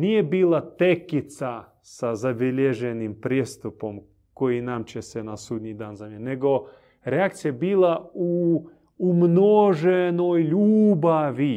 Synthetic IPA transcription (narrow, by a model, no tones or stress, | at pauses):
nijebiːlˠat̪ekit̪sa | sazabiʎeʒenimpɾijest̪upo̞m | ko̞jinamt͡ɕesenasuːd̪ɲid̪aːnzamʲene̞ɡo̞ | ɾeakt̪sijabiːlˠauː | mnoʒenojʎuːbaʋi